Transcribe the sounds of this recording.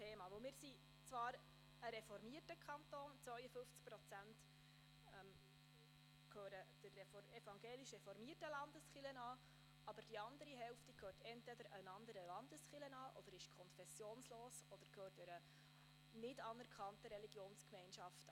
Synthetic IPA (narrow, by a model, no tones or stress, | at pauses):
tʰeːmɑːʋɵlmɪːɾsi | t͡svɑːɾ | əɾɛfɔɾmiətəkʰɑntoːnt͡sʋœʏəfɵft͡sk̚pɾɔt͡sænt | ɛm | kʰøːɾəd̥ərɛfɛfɑŋɡeːliʃɛfɔɾmiətəlɑndəsχɪlənɑː | ɑbəd̥iɑnd̪əɾiɦɛlftikʰøːrtɛntʋɛdəɾənɑnd̪əɾəlɑnd̪əsχɪlənɑːʔɔd̥əɾɪʃkʰɔnfɛsjoːnsloːsɔd̥əɾkʰøːtɛɾə | nɪdɑnəɾkχɑntəɾɛliɡjoːnskmɛnʃɑft